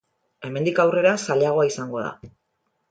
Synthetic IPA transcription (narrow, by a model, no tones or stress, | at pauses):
e̞me̞nd̪ikawre̞ɾasale̞aɣ̞o̞aisaŋɡo̞ða̰